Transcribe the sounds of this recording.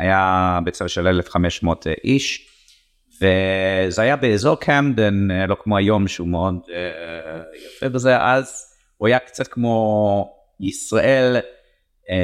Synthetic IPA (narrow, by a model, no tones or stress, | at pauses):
ajabet͡savʃelelefχameʃmotʰʔiʃ | vezeajabeːzo̞ʁkʰɛmdenlo̞kmoajo̞mʃeumeod | jafevezeʔaz | uajakt͡sat̚kmo | isʁaʔel